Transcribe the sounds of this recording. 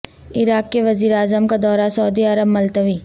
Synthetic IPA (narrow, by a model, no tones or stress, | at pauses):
ɪɾaːkːeʋɐziːɾeaːzəmkad̪ɔːɾasɐːd̪iɐɾəbmɐlt̪əʋiː